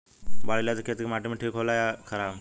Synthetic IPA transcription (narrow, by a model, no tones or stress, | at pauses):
ʋaɭiljad͡zəkʰet̪ikmaʈiməʈʰiːkɦolajakʰəɾa